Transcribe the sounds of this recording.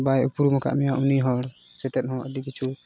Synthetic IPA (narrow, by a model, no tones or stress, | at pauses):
bajupuɾumɔka̰ʔmɛjaʔuniɦɔɾ | sɛt̪ɛt̪̚ˀhɔ̃d̪ikit͡ʃʰu